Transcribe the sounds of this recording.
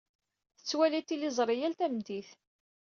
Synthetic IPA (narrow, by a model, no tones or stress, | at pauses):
θə̥t͡sːwælit̪ːilizˤɾˤijælt̪æmd̪iθ